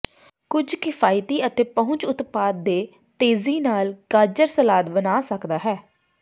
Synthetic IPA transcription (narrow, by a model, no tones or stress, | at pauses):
kʊd͡ʒkɪfʰaːjt̪iːət̪eːpəɦʊ̃ɲt͡ʃʊt̪paːd̪̚ːeː | t̪eːziːnaːlkaːd͡ʒəɾsəlaːd̪bənaːsəkd̪aːɦɛː